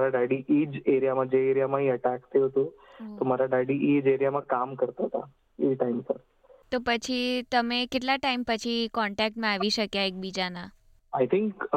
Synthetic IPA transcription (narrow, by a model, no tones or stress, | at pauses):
ɾaɖaɽiʔid͡ʒeɾijamad͡ʑeeɾijamãɦĩəʈakt̪ʰeɦot̪ot̪oməɾaɖaɽiʔid͡ʒeɾijamãkamkəɾt̪aɦət̪a̰ | iʈaimpəɾ | t̪opət͡ɕʰit̪əmekeʈlaʈaimpət͡ɕʰikɔɳʈɛk̚ʈmãaʋiʃəkjaek̚bid͡ʒana | ajt̪ʰiŋk